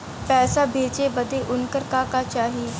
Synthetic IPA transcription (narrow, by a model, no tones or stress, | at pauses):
pɛːsaːbʱeːd͡ʒeːbəd̪eːʔʊnkəɾkaːkaːt͡ʃaːɦiː